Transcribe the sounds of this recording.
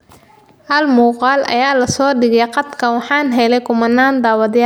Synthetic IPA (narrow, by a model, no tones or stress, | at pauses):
ʔɐlmuːqɑːlʔɐ̰jaːlɐsɔːɖɪɣɛjqɑd̪kʰɐwɑħɑːnɦɛlɛjkʰʊmɐnːaːnd̪aːwɐðɪja